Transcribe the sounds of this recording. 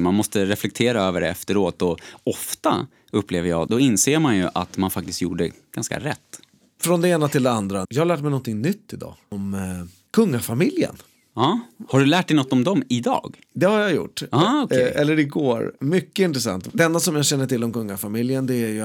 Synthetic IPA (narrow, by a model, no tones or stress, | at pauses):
manmɔst̪əɾɛflɛk̚t̪ʰeːɾaøːvəɖɛɛ̰ft̪əɾoːt̪ɔɔft̪a | ɵpːleːvəɾjɑːɡd̪ɔɪnseːɾmanjɵʔat̪manfak̚t̪ɪst̪jṵːɖəɖɛɡ̥a̰nska̰ɾɛt̪ː | fɾɔnd̪ɛeːnat̪ʰɪld̪ɛand̪ɾajɑːhaɭæːʈ̚mɛɪjnɔnt̪ʰɪŋnʏt̪ːɪd̪ɑ̰ːɔm | kʰɵŋːafamɪljə̰n | ɑːhaɖɵlæːʈ̚ɖɛjnɔt̪ːɔmd̪ɔmɪd̪ɑ̰ːɡ | d̪ɛhaɾjajʊ̰ʈːɑːɔkʔɛlːəɾɪɡoːɾmʏkːəɪnt̪ɾɛsa̰nt̪d̪ɛɛnd̪asɔmjaɕɛnːəʈɪlːɔmkɵŋːafamɪljənd̪ɛæɾjɵ